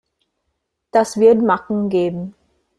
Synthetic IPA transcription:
d̥asv̥ɪɐtmakŋ̩ɡeːbm̩

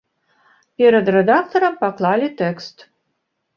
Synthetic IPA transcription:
pʲeɾəd̪rʲed̪akt̪oɾəmpɑklˠɑlʲit̪ekst̪

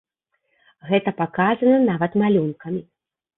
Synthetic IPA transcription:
ɣɛt̪ɐpakazɐnɐnavɐt̪malʲunkɐmʲi

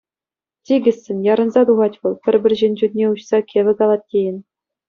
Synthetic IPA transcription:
tʲiɡʲɘ̆sʲːɘ̆nʲjɑɾɤ̆nzɑt̪uʁɑtʲʋɤ̆lˠpʲɘ̆rʲbʲɘ̆rʲʑenʲd͡ʑut̪ʲnʲeuɕsɑkʲeʋʲɘ̆kɑlˠɑt̪̚ʲtʲːejɘ̆nʲ

